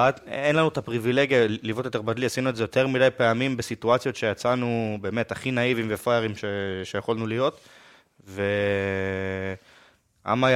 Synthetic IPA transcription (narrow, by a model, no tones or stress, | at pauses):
atenlanuet̪apʁivile̞ɡjalivot̪jot̪e̞badliasinuezejo̞teʁmidajpeamimbesituat͡sjot̪ʃejat͡sanube̞ːme̞taχinaivimvefajeʁimʃeʃejaχolnulijo̞t̪ | ve̞ | a̰ma